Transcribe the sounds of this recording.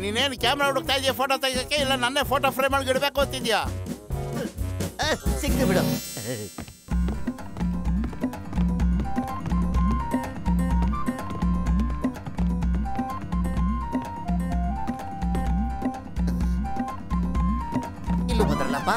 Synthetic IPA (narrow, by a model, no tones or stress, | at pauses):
niːneːnkʲaːmɾauɽuk̚t̪aːjd̪ijɐpʰoːʈot̪ɐɡ̪akːeilːɐnɐnːepʰoːʈoːpɾejmɐɭɡiɽbeːkot̪ːid̪ija | siɡːubiɽɐm | ilːubɐnd̪ɾɐlːɐpːa